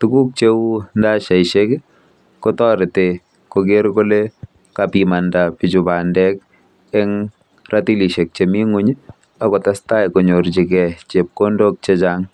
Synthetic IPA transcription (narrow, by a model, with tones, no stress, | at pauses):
tuku˦k̚t͡ʃe˦u˦nda˦ʃa˨jʃek | kɔtɔ˦ɾɪ˨te˨ | koɡ̬e˦ɾko˦le | kapima˨ndapit͡ʃu˨pandɛk | ɛŋ | rati˦li˨ʃe˨k̚t͡ʃemi˦ŋuɲ˦ | akɔ˨ta˦sta˦jko˨ɲo˨ɾt͡ʃi˨kɛt͡ʃe˨p̚kondo˦k̚t͡ʃet͡ʃaŋ